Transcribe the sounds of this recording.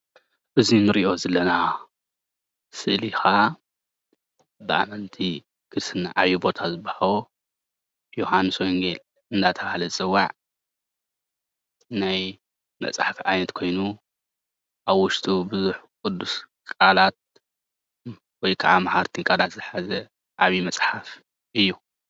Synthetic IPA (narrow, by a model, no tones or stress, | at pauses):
ʔɨzinɨɾiʔo̞zɐlːɐna | sɨlixa | bɨʔa̰mɐnt̪ʰi | ɡ̥ʰɨsɨnːa̰ʕajːubo̞t̪ʰazɨbahawo | johanɨswojŋɡel | ɨnd̪at̪ʰɐβahlɐt͡sʼɨwːaʕ | naj | mɐ̰t͡sʼa̰ħafiʔajnɐt̪kʰo̞jnu | ʔaβwʊʃt̪ʼubɨzuħkʼʊd̪ːus | kʼalat̪̚ | wɔjkʰaʔamahaɾt̪ʰiŋkʼalat̪zɨħazɐ | ʔaβimɐsʼħaf | ʔɨjːu